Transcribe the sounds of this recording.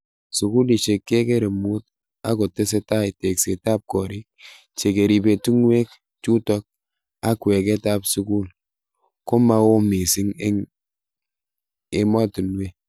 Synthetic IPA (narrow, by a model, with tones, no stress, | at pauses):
su˨ku˦li˨ʃe˨kːe˦ke˦ɾe˨mu˦t̚ | a˦ko˨te˦s̬e˦ta˦i˨te˨kse˨ta˦p̚kɔ˨ɾi˦k̚ | t͡ʃe˨ke˨ɾi˨be˨tu˦ŋwe˦k | t͡ʃu˦tɔ˦k̚ | a˦kwe˨ke˦ta˦psu˦ku˦l | ko˦ma˦wo˦mi˨si˦ŋe˦ŋ | e˦ma˦tu˨nwe˦